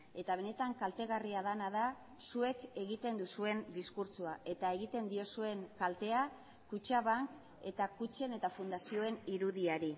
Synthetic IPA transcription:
e̞t̪aβ̞e̞ne̞t̪aŋkalt̪e̞ɣariaðanaða | sue̞ke̞ɣit̪e̞nd̪usue̞nd̪iskuɾt͡suaʔe̞t̪ae̞ɣit̪e̞nd̪io̞sue̞ŋkalt̪e̞a | kut͡ʃaβaŋk | e̞t̪akut͡ʃe̞ne̞t̪afund̪asio̞e̞niɾuðiaɾi

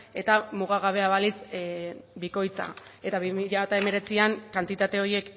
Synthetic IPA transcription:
e̞t̪amuɣ̞aɣ̞aβ̞e̞aβalis | biko̞jt͡sa̰ | e̞t̪aβimiʎaβat̪ae̞me̞ɾe̞t͡siaŋkant̪it̪at̪e̞o̞je̞k

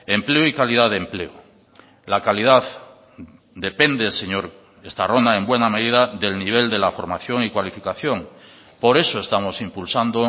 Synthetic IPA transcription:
e̞mpleoikaliðaðemple̞o | lakalið̞að | d̪e̞pend̪eseɲoɾ | est̪aro̞nd̪ae̞mbwe̞name̞ðiðaðe̞lniβ̞e̞ld̪e̞lafo̞ɾmaθjo̞ŋikwalifikaθjo̞ŋ | po̞ɾe̞soest̪amo̞simpulsand̪o

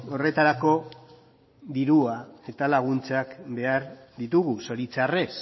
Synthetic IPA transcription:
o̞re̞t̪aɾako̞ | d̪iɾuae̞t̪alaɣ̞unt͡sakbe̞aɾ | d̪it̪uɣuso̞ɾit͡sare̞s

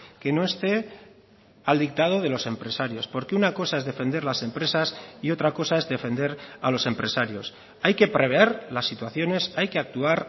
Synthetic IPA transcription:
ke̞no̞e̞st̪e̞ | ald̪ik̚t̪að̞o̞ð̞e̞lo̞se̞mpɾe̞saɾjo̞spo̞ɾke̞unako̞saezðe̞fe̞nd̪e̞ɾlase̞mpɾe̞sasio̞t̪ɾako̞sae̞zðe̞fe̞nd̪e̞ɾalo̞se̞mpɾe̞saɾjo̞s | ajke̞pɾe̞βeeɾlasːit̪waθjo̞ne̞sajke̞ak̚t̪uaɾ

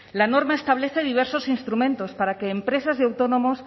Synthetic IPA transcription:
lano̞ɾmaest̪aβ̞le̞θe̞ðiβ̞e̞ɾso̞sinst̪ɾumẽnt̪o̞spaɾakeːmpɾe̞sazðeawt̪onõ̞mos

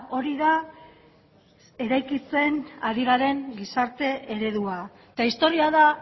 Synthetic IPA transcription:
o̞ɾiða | e̞ɾajkit͡se̞naɾiɣaɾe̞ŋɡisaɾt̪e̞eɾe̞ð̞ua | et̪aist̪o̞ɾiaða

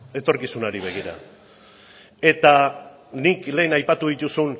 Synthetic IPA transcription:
e̞t̪o̞ɾkisunaɾiβ̞e̞ɣ̞iɾa̰ | e̞t̪a | nikle̞ːnajpat̪uðit̪usun

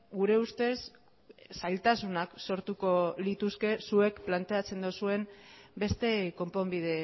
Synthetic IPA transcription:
ɡuɾe̞ust̪e̞s | sajlt̪asunakso̞ɾt̪uko̞lit̪uske̞sue̞kplant̪e̞at͡se̞nd̪osue̞mbe̞st̪e̞ko̞mpo̞mbið̞e̞

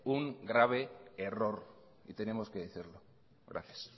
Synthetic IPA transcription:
uŋɡɾaβ̞e̞ːro̞ɾ | it̪e̞ne̞mo̞skeðeθiɾlo̞ | ɣɾʔa̰θjas

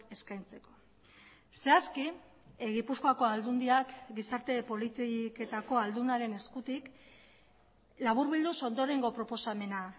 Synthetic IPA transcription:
e̞skajnt͡se̞ko̞ | se̞aski | ɣipuskoako̞ald̪und̪iakɡisaɾt̪e̞po̞lit̪ike̞t̪ako̞ald̪unaɾe̞ne̞skut̪ik | laβ̞uɾβild̪uso̞nd̪o̞ɾe̞ŋɡo̞pɾo̞po̞same̞na

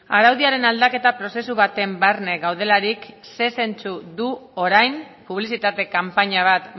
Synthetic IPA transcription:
aɾawðiaɾe̞nald̪ake̞t̪apɾo̞se̞suβ̞at̪e̞mbarne̞ɣawð̞e̞laɾikse̞se̞nt͡suðuo̞ɾajm | puβ̞lisit̪at̪e̞kampaɲaβ̞at̪

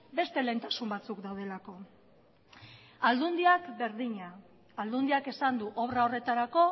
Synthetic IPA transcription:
be̞st̪e̞le̞ːnt̪asumbat͡sukd̪awð̞e̞lako̞ | ald̪und̪iakbe̞ɾðiɲaː | ld̪und̪iake̞sand̪uʔoβrao̞re̞t̪aɾako̞

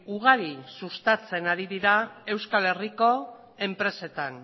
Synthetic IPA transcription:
uɣaɾisust̪at͡se̞naɾiðiɾae̞wskale̞riko̞ | e̞mpɾe̞se̞t̪an

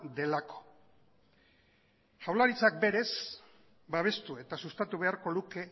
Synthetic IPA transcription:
d̪e̞lako̞̥ | ʝawlaɾit͡sak̚be̞ɾe̞s | baβ̞e̞st̪ue̞t̪asust̪at̪uβ̞e̞aɾko̞luke̞

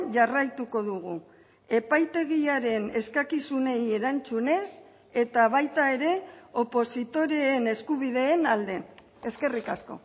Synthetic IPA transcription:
ʝarajt̪uko̞ðuɣ̞u | e̞pajt̪e̞ɣiaɾe̞ne̞skakisune̞je̞ɾant͡sune̞s | e̞t̪aβ̞ajt̪ae̞ɾe̞o̞po̞sit̪o̞ɾe̞ːne̞skuβiðe̞ːnald̪e̞n | e̞ske̞rikasko̞̰

